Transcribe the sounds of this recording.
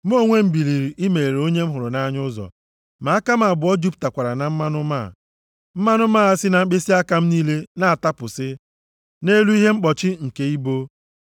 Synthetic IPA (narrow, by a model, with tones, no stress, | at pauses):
m̩˦o˦˨ŋʷe˦m̩˦bi˨li˨ɾi˨ʔi˦me˨ɾe˨o˦ɲe˦m̩˦ɦʊ˨ɾʊ˨na˦ɲʊ˦zɔ̰˨ | ma˨a˦ka˦m̩˦a˨bʊ˨˦ɔ˦d͡ʒu˦pta˨kʷa˨ɾa˨na˨m̩˦ma˦nʊ˦maː˦˨ | m̩˦ma˦nʊ˦maː˦˨a˦sɪ˦na˨m̩ŋ͡m̩˦k͡pe˦si˦a˦ka˦m̩˦niː˦le˦na˦a˨ta˦pʊ˨sɪ˦ | ne˦lu˦i˦ɦe˦ŋ͡m̩˦k͡pɔ˨t͡ʃɪ˦ŋ̩˨ke˦i˦bo˦